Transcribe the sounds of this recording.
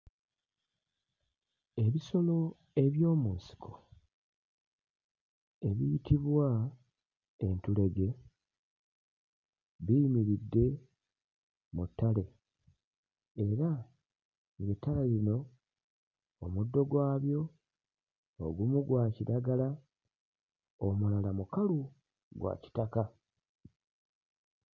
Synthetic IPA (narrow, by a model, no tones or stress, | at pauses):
e̞βiso̞lo̞ | e̞βjo̞ːmuːnsi̥kʰo̥ | e̞βiitiβwa | e̞ntule̞ɡe̞ | βijmiɾidːe̞ | mutːale̞ | eɾa | ŋɡetːalelino̞ | mudːo̞ɡwaːβjo̞ | oɡumuɡwaːciɾaɡala | omulalamukalu | ɡwa̰ci̥taka